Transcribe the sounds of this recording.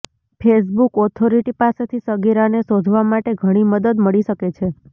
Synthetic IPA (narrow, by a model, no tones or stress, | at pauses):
pʰes̬bukɔt̪ʰoɾiʈipaset̪ʰisəɡiɾanesod̪ʱʋamaʈeɡʱəɽ̃iməd̪əd̪məɭiʃəket͡ʃʰe